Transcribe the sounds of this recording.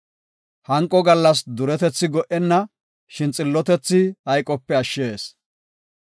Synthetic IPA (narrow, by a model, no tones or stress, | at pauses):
hɐŋkʼːɔɡɐlːɐs̬d̪ʊɾɛt̪ɛt͡sːɪɡɔʔɛnːɐ | ʃɪnt͡sʼɪlːɔt̪ɛt͡sːɪhɐjkʼɔpːɛɐʃːeːs